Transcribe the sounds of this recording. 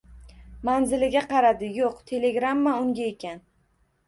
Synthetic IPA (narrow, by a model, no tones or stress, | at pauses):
manzɪlɪɡʲaqɑɾad̪ɪjoqt̪ʰe̞le̞ɡɾamːaʊŋɡʲae̞kʲan